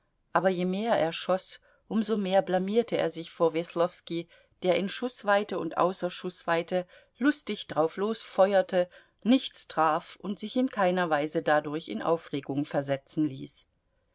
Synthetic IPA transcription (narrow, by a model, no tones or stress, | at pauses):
ʔaːbɐjeːmeːɐʔeːɐʃɔs | ʔʊmzomeːɐblamiːɐtʰəḛːɐzɪçfoːɐvɛslɔfski | d̥eːɐʔɪnʃʊsv̥aɪtəʊ̰ntʔa̰ʊsɐʃʊsv̥aɪtə | lʊstɪçd̥ʁaʊfloːsfɔʏɐtʰə | nɪçt͡stʁ̥aːfʔʊntz̥ɪçɪnkʰaɪnɐvaɪzədadʊɐçɪ̰nʔa̰ʊfʁeːɡʊŋfɛɐzɛt͡sn̩lḭːs